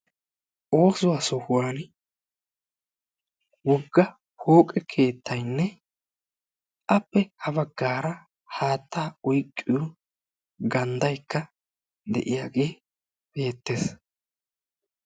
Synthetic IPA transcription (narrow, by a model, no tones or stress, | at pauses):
ʔo̞ːsʊwaːsɔhʊwaːn | wɔɡːɐ | ho̞ːkʼɛkʰe̞ːt̪ʰːɐjnːɛ | ʔɐpːɛhɐβɐɡːaːɾɐ | haːt̪ʰːaːʊjkʼːɪjʊ | ɡɐnd̪ɐjkːɐ | d̪ɛ̰ʔɪjaːɡe̞ː | be̞ːt̪ːeːs